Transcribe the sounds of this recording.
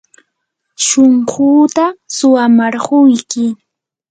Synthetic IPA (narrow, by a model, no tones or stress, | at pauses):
ʃoɴɢuːt̪asʊwamaɾɢʊjkɪ